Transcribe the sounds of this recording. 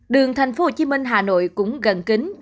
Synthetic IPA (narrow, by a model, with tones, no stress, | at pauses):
ɗɨ˨˩əŋt̪ʰa˨˩jŋ̟fo˧˦ho˧˩t͡ɕi˨˦mï˧ŋ̟ɦaː˨˩no̰˧˨jkʊ̰˧˥ŋ͡mɣə˨˧˩nki˨˦ŋ̟